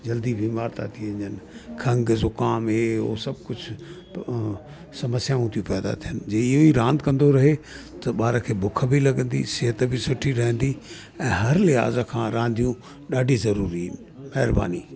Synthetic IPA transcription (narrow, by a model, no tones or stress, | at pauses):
d͡ʑɐld̪ibʱiːmaːɾt̪a̰t̪ʰiə̃ɲd͡ʑənɪkʰɐ̃ŋɡzʊkaːmɦeːɦo̰ːsɐb̚kʊd͡ʑʰʱ | sɐməsjaːũt̪ʰijũpɛːd̪a̰t̪ʰijənd͡ʑeːɪɦoiɾãːnd̪kɐ̃nd̪oɾɐɦe | t̪ɐɓaːɾəkʰeːbʊk̆ʰbʱilɐɡə̃nd̪ḭsɪɦət̪bʱisʊʈʰiɾɐɦə̃nd̪i | ɛ̃ːɦɐɾlɪɦa̰ːzkʰãːɾãːnd̪ʱijũ | ɗaːɖʱizɐɾuːɾi | mɐɦɾba̰ːnḭː